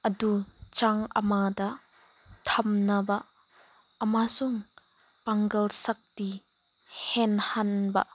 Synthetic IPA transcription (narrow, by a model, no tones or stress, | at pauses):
ʔədut͡ʃaŋʔəmad̪a | t̪ʰɐmnabaʔ | ʔəmasʊŋ | pɐŋɡɐlsɐk̚ti | hɛnhɐnbɐ̰ʔ